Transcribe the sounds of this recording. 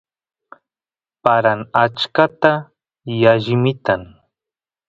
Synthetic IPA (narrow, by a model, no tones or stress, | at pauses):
paɾaŋat͡ʃkat̪a | jaʒɪmɪt̪aŋ